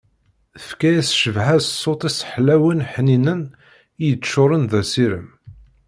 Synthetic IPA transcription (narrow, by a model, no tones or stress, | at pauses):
θəfkæjæsʃəvʕæzsˤːot̪ˤisħlæwənħninən | ijəʃːʊɾˤənðæsiɾə̰m